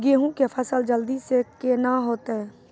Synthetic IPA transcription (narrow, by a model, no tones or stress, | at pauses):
ɡeɦũkepʰəsəld͡ʒəld̪isekenaɦoːt̪eɛː